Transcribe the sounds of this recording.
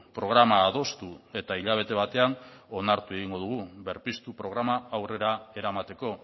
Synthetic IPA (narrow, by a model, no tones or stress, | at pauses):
pɾo̞ɣ̞ɾamaːðo̞st̪ue̞t̪aiʎaβ̞e̞t̪e̞β̞at̪e̞ano̞naɾt̪ue̞ɣiŋɡo̞ðuɣ̞uβe̞ɾpist̪upɾo̞ɣ̞ɾamaːwre̞ɾae̞ɾamat̪e̞ko̞